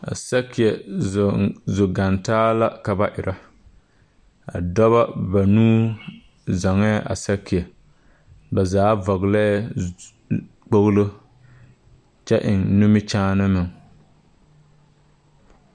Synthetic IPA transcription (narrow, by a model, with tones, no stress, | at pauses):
a̰˨sa˦ki˨ɛ˨zzʊ˨ɡa˨ntaː˦la˦ka˨ba˦ʔɪ˨ɾa˦ | a̰˨dɔ˦βa˦ba˨nuː˦ | za˨ŋa˦ʔa̰˨sa˦ki˨ɛ˨ | ba˨zaː˨˦vɔ˨ɣla˦ | k͡po˦ɣlo˦ | t͡ʃɛ˦ʔɪ˨ŋnʊ˦mɪ˦t͡ʃaː˦nɨ˦mɪ˨ŋ